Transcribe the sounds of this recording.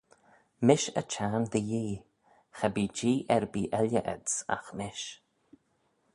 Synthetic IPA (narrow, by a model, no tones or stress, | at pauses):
mɪʃət͡ʃaːnd̪əjiː | xəbiːd͡ʒiːʔɛɾbiːʔɛljəʔə̰dsa̰xmɪʃ